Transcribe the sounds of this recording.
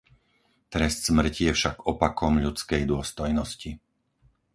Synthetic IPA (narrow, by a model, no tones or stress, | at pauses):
t̪ɾɛst̪z̥mr̩cijɛfʃaɡɔpakɔmʎut͡skɛjd̪ʊɔst̪ɔjnɔsci